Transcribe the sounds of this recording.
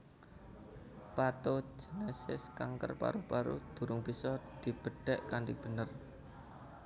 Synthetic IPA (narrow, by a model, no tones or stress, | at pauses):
pat̪od͡ʒinɛsɪ̰skaŋkə̰rpa̰ɾupaɾṵd̪̥ṳɾʊŋbisɔd̪̥i̤b̥ə̤ɖ̥ɛ̤ʔkanʈib̥ə̤nər